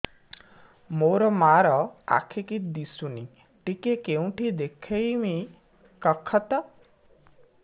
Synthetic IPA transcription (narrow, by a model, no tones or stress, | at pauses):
moɾɔmaɾɔa̰kʰekid̪isuni | ʈikekeũʈʰid̪ekʰejmi | kɔkʰɔt̪ɔ